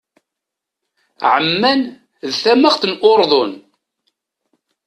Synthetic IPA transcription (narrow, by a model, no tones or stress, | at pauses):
ʕəmːæn | ðθæməʁθənʔoɾˤðˤon